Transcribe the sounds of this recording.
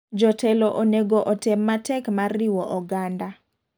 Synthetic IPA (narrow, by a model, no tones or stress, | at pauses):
d͡ʒɔtʰɛloʔoneɡoʔɔtɛmːatɛkmarːiwɔʔɔɡanda